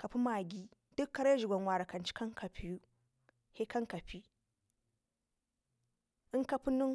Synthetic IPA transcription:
ka˨pu˦ma˨ɡʲi˦ | d̥u˦kːa˦ɾa˦ʒi˨ɡʷa˨nwa˨ɾa˨ka˨nt͡ʃi̥˦ka˦ŋka˨pʰi˨ju˦ | he˦ka˦ŋka˨ɸi˦ | ɨ˦ŋka˦pu˦nu˦ŋ

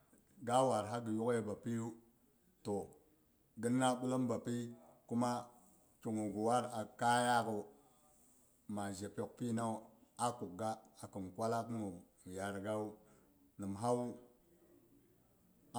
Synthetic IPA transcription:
ɡa˦wa˨ɾɦa˦ɡə˨ju˦ke˦ba˨pi˦ju˦ | to˨ | ɡi˦nːa˦bu˦lo˦mba˨pi˦ku˦ma˦ | t͡ʃu˨ŋu˨ɡu˨wa˦ɾa˨ka˦ja˦kə˨ | ma˨ʒe˨po˨k̚pi˦na˦˨ | a˦ku˨k̚ɡa˦a˨ki˨nkwa˦la˦k̬u˦ŋu˨ | ja˨ɾɡa˦wu˦ | ni˨mɦa˦

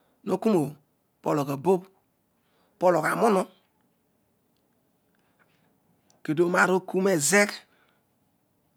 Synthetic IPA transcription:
no˦ku˦mo˨ | po˦lo˨ka˨bo˦b | po˦lo˨ka˨mo˦no˦ | ke˨do˨˦ma˨ɾo˦ku˦me˨ze˦k

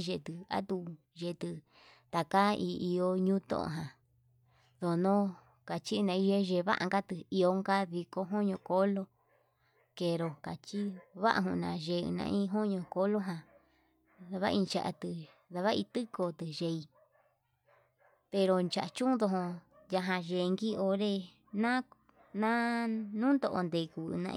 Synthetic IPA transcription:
ʒe˧˨t̪ɨ˧a̰˦t̪u˧ | ʒe˨˧˨t̪ɨ˧ | t̪a˨ka˦i˧i˧o˧ɲũː˦t̪õ̰˦ʔõ̰˧ɦã˨ | ðo˨˧nõ˦ | ka˨t͡ʃi˦˧nã˧ĩ˧ʒe˧ʒe˧˨βa̰˦ʔa̰˧ŋɡa˦t̪ɨ˧i˧o˧ŋɡa˦ði˧ko˧ɦo˦ɲõ˧ko˦lo˧ | ke˧ɾo˨ka˨t͡ʃi˦βa̰˦ʔa̰˧ɦũ˧nã˧˨ʒe˨˧ɨ̰˧nã̰˧ʔĩ˦ɦo˦ɲõ˧ko˧˦lo˦ɦã˧ | ða˧βa˦ĩ˧nt͡ʃa̰˧ʔa̰˧t̪ɨ˧ | ða˧βa˦i˧t̪ɨ˦ko˧t̪ɨ˧ʒe˧i˧ | pe˧ɾo˧nt͡ʃa˨ʔt͡ʃũ˦ðo˧ɦõ˧ja˧ɦã˧ʒe˨˧ŋɡi˦o˧ɾe˦˧ | nã˦ | nã˦nũː˦nd̪o˧ʔo̰˧nd̪e˨˧˨kṵ˧˨˧nã̰˧

